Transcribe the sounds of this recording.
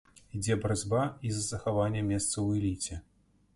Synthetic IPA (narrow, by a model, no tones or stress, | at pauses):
id͡zʲɛbɾad͡zʲbaizɐzɐxavanʲːɛmʲɛst̪sɐwɛlʲit͡sʲɛ